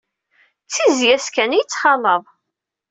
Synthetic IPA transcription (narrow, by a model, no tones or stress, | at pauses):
t͡sːizjæskænijət͡sːχɑləðˤ